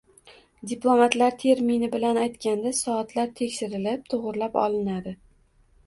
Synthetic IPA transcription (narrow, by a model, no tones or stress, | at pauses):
d̪ʲiplˠomat̪laɾt̪ʰe̞ɾminɪbɪlanajt̪kʲand̪asɒːt̪laɾt̪ʰe̞kʲʃɪɾɪlɪp̚t̪ʰʊʁʊɾlapɒ̰lɪnad̪ɪ